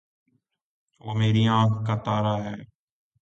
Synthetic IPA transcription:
ʋoːmeːɾiːãːkkaːt̪aːɾaːɦɛː

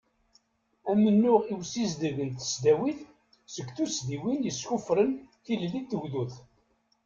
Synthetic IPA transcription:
æmənːʊʁiwsizd̪əɣənt̪ə̥sd̪æwiθ | səɡθusd̪iwinjəsçufɾənθillit̪ːəwðuθ

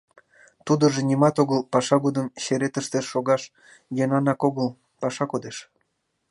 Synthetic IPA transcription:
t̪ud̪əʒĕnʲimɑt̪oɣəlpɑʃɑɣod̪əmɕeɾet̪əʃt̪eʃoɣɑʃ | jɑnɑnɑkoɣəl | pɑʃɑkod̪eʃ

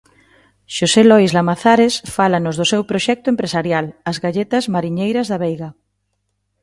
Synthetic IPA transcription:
ʃoselɔjzlamaθaɾesfalanʊzðʊsewpɾoʃɛk̚t̪ʊẽmpɾesaɾjalɐzɣaʎet̪ɐzmaɾiɲejɾɐzðɐβejɣa

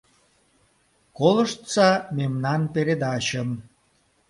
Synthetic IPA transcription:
koləʃt̪sɑmemnɑnpeɾed̪ɑɕə̆m

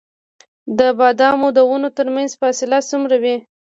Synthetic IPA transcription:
d̪əbɑd̪ɑmod̪əwunot̪əɾmanzfɑsɪlasumɾawi

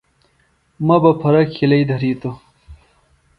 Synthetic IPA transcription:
mɐbɐpʰɐɾɐkʰːilɐjd̪ʱɐɾiːt̪o

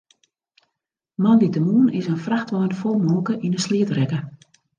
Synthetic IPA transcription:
mɔnditəmuːnɪsənfraxtʋɔjnfolˠmoːkəʔinəsliətrɛkə

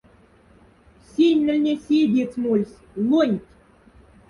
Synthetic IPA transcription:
sʲinʲːə̆lʲnʲesʲid̪ʲit͡smulʲsʲ | lˠunʲtʲ

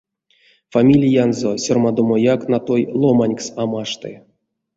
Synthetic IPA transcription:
famʲilʲijanzosʲormad̪omojaknat̪ojlˠomanʲksamaʂt̪ɨ̰

